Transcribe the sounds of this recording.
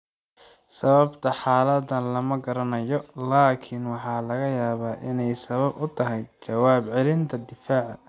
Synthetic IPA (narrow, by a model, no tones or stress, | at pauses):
sɐβɐbt̪ʰɐħɑːlɐd̪ɐnlɐmɐɡɐɾɐnɐjɔlaːkʰɪnwɑħɑːlɐɣɐjaːβaːʔɪnɛjsɐβɐbʊt̪ʰɐɦɛjt͡ʃɐwaːbʕɛlɪnt̪ʰɐd̪ɪfaːʕɐ̰